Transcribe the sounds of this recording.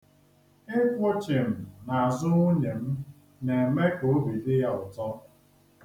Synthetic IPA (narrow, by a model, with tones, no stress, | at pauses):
ɪ˦kʷʊ˦t͡ʃɪ˨m̩˨na˨a˨zʊ˦ʊ˦ne˨m̩˦ | ne˨e˨me˦ko˨o˦bi˨dɪ˦ja˦ʊ˨tɔ˦